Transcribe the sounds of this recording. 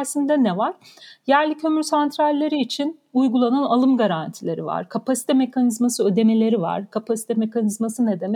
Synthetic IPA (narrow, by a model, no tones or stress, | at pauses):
sind̪ɛnɛvaɾ̥jæɾlʲicʰø̞myɾsant̪ɾalʲːe̞ɾiːt͡ʃʰin | ujɡulˠananalˠɯmɡaɾant̪ʰilʲeɾḭva̰ɾ̥kʰapʰasi̥t̪ʰɛme̞kʰanizmasɯø̞d̪e̞me̞lʲe̞ɾiva̰ɾ̥kʰapʰasi̥t̪ʰɛme̞kanizmasɯned̪emɛ